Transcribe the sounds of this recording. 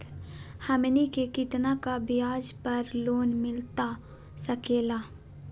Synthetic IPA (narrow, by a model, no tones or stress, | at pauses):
hɐmnikekɪt̪nakabɪjaːd͡ʒpɐɾloːnmɪlt̪a | sɐkeːlaː